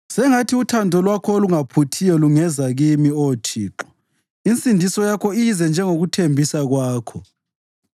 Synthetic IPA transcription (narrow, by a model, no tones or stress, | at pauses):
sɛŋatʰiutʰandʱɔlwakʰɔoluŋapʰutʰijɔluŋɛzaɣimioːtʰiːǁɔ | int͡sʼindʱisɔjakʰɔizɛnd͡ʒʱɛŋoɣutʰembʱisaɣwaːkʰɔ